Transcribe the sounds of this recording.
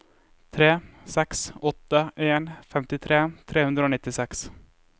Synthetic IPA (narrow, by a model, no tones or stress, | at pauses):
t̪ʰɾeːsɛksɔt̪ːəʔeːnfɛmt̪ɪt̪ʰɾeːt̪ʰɾeːhɵnd̪ɾaoːnɪt̪ːɪsɛks